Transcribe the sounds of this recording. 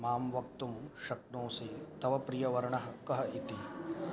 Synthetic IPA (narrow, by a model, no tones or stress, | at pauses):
maːmʋɐk̚t̪umʃɐk̚t̪nõːsit̪ɐʋɐpɾijɐʋɐɾɐɳɐɦɐ̆kɐɦɐʔit̪i